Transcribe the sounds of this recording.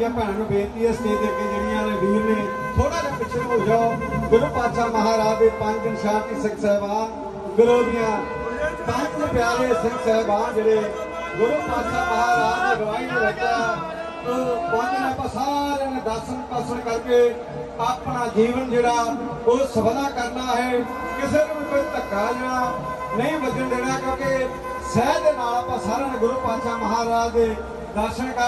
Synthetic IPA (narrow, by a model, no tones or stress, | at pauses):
ãːpɛ̃ːnːnũːbeːɾt̪iːɛːst̪iːt̪iːk̪iːd͡ʒəmɪjãːnẽːd̪uːɾnĩː | t̪ʰoːɽãːɾeːpɪt͡ʃʰːnũd͡ʒaːɡʊləpaːt̪ʃaːməɦaːɾaːd̪eːpə̃ɲd͡ʒd̪ɪnsaːɾk̪iːsəksɛːbãː | ɡəloːd̪ɪjãː | sãt͡ʃd̪eːpjaːleːsəŋksɛːbãːd͡ʒeːɽeː | ɡʊləpaːt̪ʃaːməɦaːɾaːd̪eːɾəʋaːiːãːɾɛkjaː | t̪oːbãːnːnːpãːsaːɾẽːnẽːd̪əɾsənkəɾsəɳkəɾke | aːpɽaːd͡ʒiːʋənd͡ʒeːɽaːʊsəbəlaːkəɾnaːɦɛː | kɪseːñːĩkoːit̪əkːad͡ʒeːɽaː | nəĩːbəd͡ʒənd̪eːɽaːkjõːke | sɛːd̪eːnaːlpãːsaːɾeːnẽːɡʊɾupãːtʃaːməɦaːɾaːd͡ʒd̪eː | d̪əɾʃəɽ̃kə